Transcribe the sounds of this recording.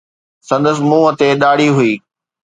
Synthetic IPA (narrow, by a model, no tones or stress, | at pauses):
sɐ̃nd̪əsɪ̆mũːət̪eɗaːɽiɦʊiː